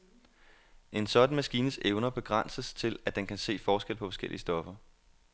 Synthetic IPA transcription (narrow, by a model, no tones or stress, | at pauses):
ʔe̝nsɒ̽d̥n̩mæsɡ̥iːnəseʊnɐb̥e̝ɡ̥ʁɑn̰səst͡sʰe̝læd̥enkʰæse̝̰ːfɒːsɡ̥el̰pʰɒ̽fɒ̽sɡ̥eliəsd̥ɒ̽fɐ